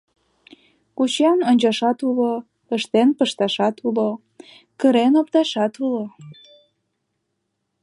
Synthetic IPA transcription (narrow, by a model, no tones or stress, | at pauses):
kut͡ɕɑnonʲt͡ɕɑʃɑt̪ulo | əʃt̪enpəʃt̪ɑʃɑt̪ulo | kəɾenop̚t̪ɑʃɑt̪ulo